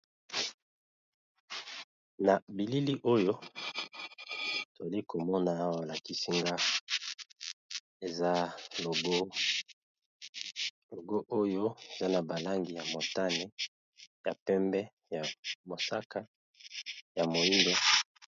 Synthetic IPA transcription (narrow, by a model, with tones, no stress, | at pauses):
na˨bi˨li˦li˦ʔo˦jo˦ | to˨za˨li˦ko˨mɔ˦na˨a˦wa˦˨a˨ki˦si˦ŋɡa˦ | e˨za˦lo˨ɡo˦ | lo˨ɡo˦ʔo˦jo˦e˨za˦na˨ba˨la˦ŋɡi˨ja˨mo˨ta˦ne˦ | ja˨pɛ˦mbɛ˦ | ja˨mo˨sa˦ka˦ | ja˨mo˨i˦ŋdo˦